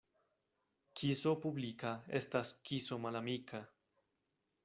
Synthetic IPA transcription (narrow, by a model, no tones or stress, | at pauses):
kʰiso̞publikae̞̰staskiso̞malamikʰa